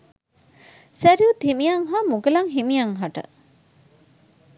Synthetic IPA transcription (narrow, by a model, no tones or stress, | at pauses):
sæɾiut̪imijɐŋɦaːmuɡelɐŋɦimijɐŋɦɐʈɐ̰